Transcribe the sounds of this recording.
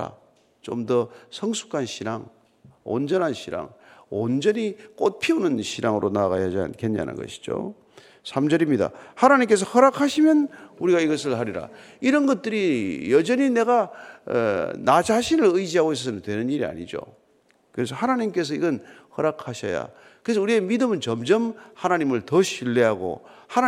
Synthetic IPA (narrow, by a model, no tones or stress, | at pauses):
a̰ | t͡ɕomdʌsʰʌŋsʰu̥kʰanɕʰiɾaŋ | o̰nd͡ʑʌnɦanɕʰiɾa̰ŋond͡ʑʌnik͈ot̚pʰiunɯnɕʰiɾaŋɯɾonaɣajad͡ʑia̰nkʰe̞nɲa̰nɯ̰nɡʌ̰ɕʰi̥d͡ʑo̰ | sʰamd͡ʑʌɾimɲida̰hanaɲimke̞s̬ʰʌhʌɾakʰaɕʰimjʌnuɾiɡaiɡʌs̬ʰɯɭɦaɾiɾa̰ | iɾʌnɡʌt̚t͈ɯɾijʌd͡ʑʌɲine̞ɡa̰ | nad͡ʑaɕʰinɯɾɯid͡ʑiɦaɡois̬͈ʰʌsʰʌnɯntwe̞nɯniɾia̰ɲḭd͡ʑo̰ | kɯɾe̞s̬ʰʌhanaɲimk͈e̞s̬ʰʌiɡʌnhʌɾakʰaɕʰʌ̰ja̰ | kɯɾe̞s̬ʌuɾiemidɯmɯnt͡ɕʌmd͡ʑʌmhanaɲimɯɭtʌɕʰiɭːeɦaɡo̰ | ha